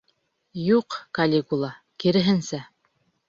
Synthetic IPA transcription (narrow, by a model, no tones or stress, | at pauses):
juqkɐlʲekulˠɑ | kiɾɘ̆ɦɘ̆nsæ